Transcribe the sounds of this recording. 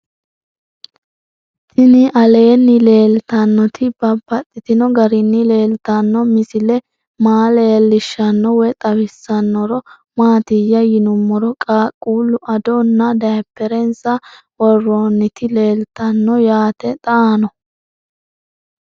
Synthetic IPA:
t̪ʰɪnɪʔɐle̞ːnːɪle̞ːlt̪ɐnːɔt̪ʰɪbɐbɐt̪ʼːɪt̪ɪnɔɡɐɾɪnːɪle̞ːlt̪ɐnːɔmɪsɪlɛ | maːle̞ːlːɪʃːɐnːɔwɛt̪ʼɐbɪsːɐnːɔɾɔ | maːt̪ɪjːɐjɪnʊmːɔɾɔkʼaːkʼːuːlʊʔɐd̪ɔnːɐd̪ɐjpːɛɾɛnsɐ | wɔrːoːnːɪt̪ɪle̞ːlt̪ːɐnːɔjaːt̪ɛt̪ʼɐaːnɔ

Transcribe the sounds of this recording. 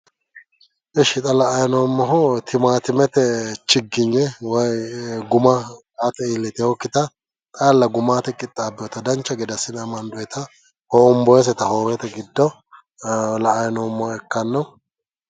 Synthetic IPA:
ʔɛʃɪt̪ʼɐlɐʔːjnɔːmːɔɦʊt̪ʰɪmaːt̪ɪmɛt̪ɛt͡ʃɪɡːɪɲːɛwɐjɡʊmɐ | aːt̪ɛilːɛt̪ɛhɔkːɪt̪ɐ | t̪ʼaːlːɐɡʊmaːt̪ɛkʼɪt̪ʼːaːbːɪjɔt̪ɐd̪ɐnt͡ʃːɐɡɛd̪ɐsɪnɐmɐnd̪ɔjɛt̪ʰɐ | hoːʊmbɔjɛs̬ɛt̪ɐhoːwɛt̪ɛɡɪd̪ːɔ | lɐʔːjnoːmːɔhɛkːɐnːɐw

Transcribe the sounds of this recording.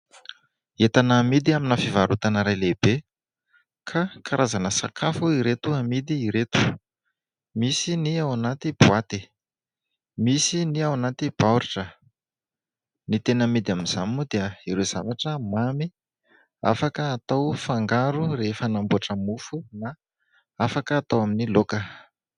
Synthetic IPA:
et̪anamid̪iaminafivaɾut̪anəɾajlebe | kʰakaɾʔazanəsa̰kʰafuiɾet̪uamid̪iːɾet̪u̥ | misiniawanat̪ib̥wat̪i | misiniawanat̪ib̥awɾiʈ͡ʂə | nit̪enəmid̪iaminz̥a̰miud̪eəiɾez̥a̰naʈ͡ʂəmami | a̰fakəat̪awfaŋɡaɾuɾefənambuaʈ͡ʂəmufuna | afakəːt̪awaminilokə

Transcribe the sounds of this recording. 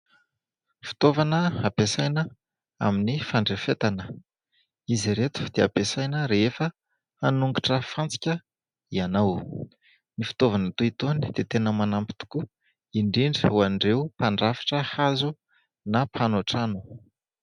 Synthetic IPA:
fi̥t̪ovanəapesajnə | a̰minifaɳɖ͡ʐefet̪anə | iziɾet̪u̥d̪̥eapesajnəɾeefə | hanuŋɡiʈ͡ʂəfant͡si̥kʲə | ianaw | nifi̥t̪ovanət̪uit̪onid̪̥et̪enəmanampi̥t̪u̥ku | iɳɖ͡ʐiɳɖ͡ʐuanɖ͡ʐeupaɳɖ͡ʐafi̥ʈ͡ʂəhazu | napʰanoaʈ͡ʂanu̥

